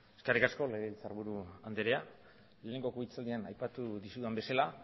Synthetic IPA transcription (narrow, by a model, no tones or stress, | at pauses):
eskarikasko̞le̞ɾilt͡saɾβuɾuand̪eɾea | leːneŋɡo̞kuit͡sald̪ianajpat̪uðisuðambe̞sala